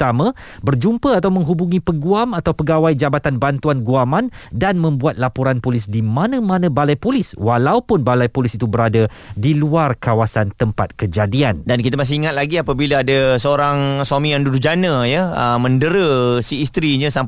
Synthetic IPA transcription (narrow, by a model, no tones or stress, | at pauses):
t̪amã | bərd͡ʒumpəat̪awmə̃ŋɦubuŋĩpəɡuamat̪awpəɡawajd͡ʒabat̪anbant̪uanɡuamandanmə̃mbuat̪̚lapoɾanpolɪsdimãnə̃mãnə̃balajpolɪswalaupʊnbalajpolisit̪ubəɾada | diluarkawasant̪əmpat̪̚kəd͡ʒadiandankit̪əmas̬ɪiŋat̪̚laɡiapəbilaadasəoɾaŋswamĩjaŋdudud͡ʒanə̃jəəmə̃ndəɾəsiːst̪ɾiɲə̃sam